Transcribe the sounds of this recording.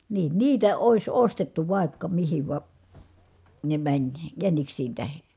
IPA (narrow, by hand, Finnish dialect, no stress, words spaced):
niːn niːtæ oˑis ostetːu ʋɑˑi̯kːɑ mihiʋ ʋɑ ne mænʲ jæniksiːn tæhe